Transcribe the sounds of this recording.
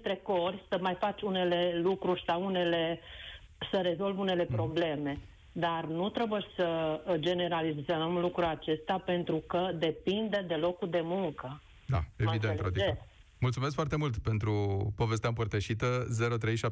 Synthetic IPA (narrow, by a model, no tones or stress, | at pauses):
t̪ɾe̞ko̞rʲsəmajfat͡ʃʲune̞le̞lukɾurʲsawune̞le̞ | səɾe̞zo̞lvune̞le̞pɾo̞ble̞me̞ | d̪arnut̪ɾebujeʃʲsəd͡ʒe̞ne̞ɾalizəmlukɾulat͡ʃe̞st̪eape̞nt̪ɾukəd̪e̞pind̪əd̪e̞lo̞kud̪e̞muŋkə | d̪a̰eavid̪enɾot̪ie | mult̪sumeskfoart̪e̞mult̪pe̞nt̪ɾupo̞ve̞s̬t̪eaɨmpərt̪əʃit̪əze̞ɾot̪ɾe̞jʃa